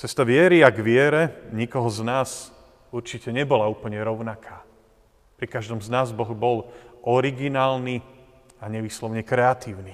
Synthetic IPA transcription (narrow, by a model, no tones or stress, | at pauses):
t͡sɛst̪aʋɪɛɾiaɡʋɪɛɾɛɲikɔɦɔznaːs | uɾt͡ʃicɛɲɛbɔlauːpl̩ɲɛɾɔʊnakʰaː | pɾikaʒd̪ɔmznaːzbɔɣbɔlʔɔɾiɡinaːlni | aɲɛʋiːslɔʊɲɛkɾɛat̪iːʊni